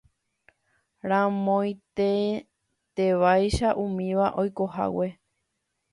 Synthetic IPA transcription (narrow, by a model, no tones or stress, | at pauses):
ɾãmõj̃t̪e | t̪eʋajʃaʔumĩʋaʔo̞jko̞ɦa̰we̞